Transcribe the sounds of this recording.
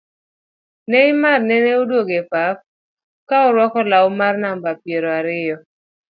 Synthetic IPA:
neɪmarnɛneodwoɡepap̚ | kaɔɾwɔkɔlawmarnambapjeɾoaɾɪjɔ

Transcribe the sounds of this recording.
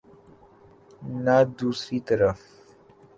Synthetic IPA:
nad̪uːsɾit̪əɾaf

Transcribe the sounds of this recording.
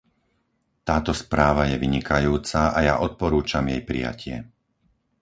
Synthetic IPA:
t̪aːt̪ɔspɾaːʋajɛʋiɲikajuːt͡saʔajaʔɔt̪̚pɔɾuːt͡ʃamjɛjpɾḭja̰cʰɪɛ̰

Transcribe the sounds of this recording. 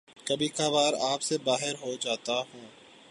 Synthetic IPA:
kɐbʱikaʋaːɾaːpsebaːɦɪɾɦod͡ʒaːt̪aɦũː

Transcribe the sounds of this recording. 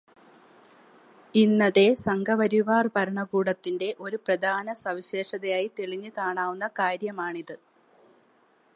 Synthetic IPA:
inːɐðe̞sɐŋɡʱɐʋɐɾiʋaːrpɐɾɐɳɐɡuːɽɐt̪ːinde̞ʔo̞ɾuprɐd̪ʱaːnɐsɐʋiɕeːʂɐðɐjaːjit̪eɭiɲːɨkaːɳaːʋunːɐkaːɾjɐmaːɳiðɨ

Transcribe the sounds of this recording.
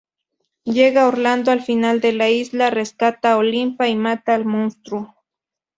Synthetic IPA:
jeɡaoɾland̪oalfinald̪elaislareskat̪aolimpaimat̪aːlmonst̪ɾʊ

